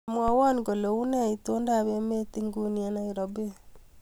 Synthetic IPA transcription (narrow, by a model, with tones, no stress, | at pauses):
mwa˦wɔ˦nɡo˨lo˨u˦na˦˨i˨to˦nda˦˨βe˦me˦ti˦ŋɡu˦nje˦na˦i˨ɾo˨bi˦